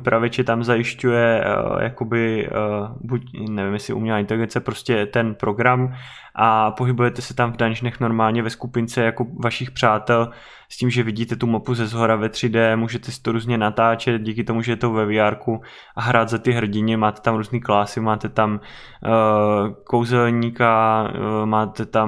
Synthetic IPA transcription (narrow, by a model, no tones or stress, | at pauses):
pɾavɪt͡ʃɛt̪amzajɪʃcujɛja̰ko̞bɪ | bucnɛvɪmjɛsɪ̰ʔṵmɲɛlaːɪnt̪ɛlɪɡɛnt͡sɛpɾo̞scɛt̪ɛnpɾo̞ɡɾam | ʔapo̞ɦɪbujɛt̪ɛsɛ̥t̪amvdanʒnɛxno̞ɾmaːlɲɛvɛskupɪnt͡sɛjako̞vaʃɪxpr̥aːt̪ɛl | sciːmʒɛvɪɟiːt̪ɛt̪umapuzɛzɦoɾavɛt̪r̝̥ɪdɛmuːʒɛt̪ɛsɪ̥t̪oɾuːzɲɛnat̪aːt͡ʃɛt̪̚ɟiːkɪt̪o̞muʒɛjɛt̪ovɛvɪjaɾku | ʔaɦɾaːd̪zat̪ɪɦr̩ɟɪɲɛmaːt̪ɛ̥t̪amɾuːzniːklaːsɪmaːt̪ɛt̪am | ko̞wzɛlɲiːka | maːt̪ɛt̪a